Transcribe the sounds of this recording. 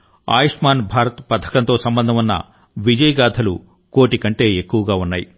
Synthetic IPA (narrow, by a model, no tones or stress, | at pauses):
a̰ːjiʂmaːnbʱaːɾɐt̪pɐd̪ʰʱɐ̥kɐnt̪o̞ːsɐmbɐnd̪ʱɐmunːɐ̰ | ʋid͡ʒɐjɡaːd̪ʰʱɐlṵ | ko̞ːʈikɐɳʈe̞ːekːuʋɐɡaːunːaːji